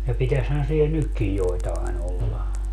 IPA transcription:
jɑ pitæshæn sie nykːij joitɑen olːɑ

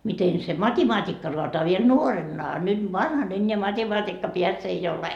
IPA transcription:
miten se mɑtʲimɑːtʲikːɑ roɑtoɑ ʋiel ʋiel nuoremːɑ ɑ nyt ʋɑnhɑn enʲːeæ mɑtʲemɑːtʲikːɑpiæks ei ole

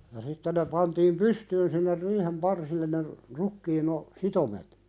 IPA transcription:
jɑ sitːe ne pɑntiːm pystyːn sinːer riːhem pɑrsilːen̆ ne rukːiːn o sitomet

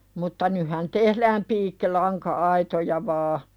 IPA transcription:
mutːɑ nyhɑn tehlæːm piːkːilɑŋkɑɑitojɑ ʋɑː

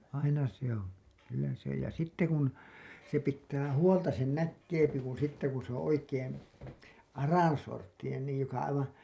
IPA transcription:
ɑinɑ se õː kylːæ se jɑ sitːe kun se pitːæː huoltɑ sen nækːeːpi kun̞ sitːe kun̞ se õː oikeːn̞ ɑrɑˑnsortːinen niːj jokɑ ɑiʋɑn̞

